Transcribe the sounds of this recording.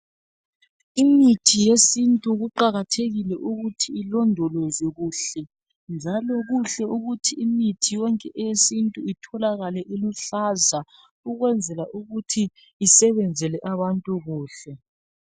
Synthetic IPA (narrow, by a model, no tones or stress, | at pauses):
imitʰijesintʼuɣuǃaɣatʰeɣilɛʔuɣutʰiilɔndʱɔlɔzɛɣuːɬɛ | nd͡ʒʱalɔɣuɬɛuɣutʰiːmitʰijɔŋkʼɛʔɛjesintʼuitʰɔlaɣalɛʔilɔɬaza | uɣwɛnd͡zʱɛlaʔuɣutʰiː | sɛβɛnd͡zʱɛlɛʔaβantʼuɣuːɬɛ